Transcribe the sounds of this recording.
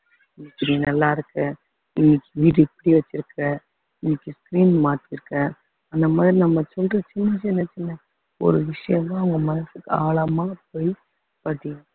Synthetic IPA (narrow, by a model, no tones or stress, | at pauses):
ɪnːɪkːɪɾinɐlːaːɪɾɯkːɐ̃ | ɪnːɪkʲːɯʋiːʈɯɛpːɐɽiʋɐt͡ʃːɪɾɯkːɐ̃ | ɪnːɪkʲːɯskɾiːnmaːʈːiɾɯkːɐ̃ | ɐnd̪ɐmaːðɾinɐmːɐsɔlrɐt͡ʃʊnːɐsɛnːɐt͡ʃːɪnːɐ | ɔ̰ɾɯʋɪʂɐjɐmãːʊŋɡɐmɐnɐsɯkːɯaːɭɐmaːp̚ːoːj | pɐʈːɪjɐ̃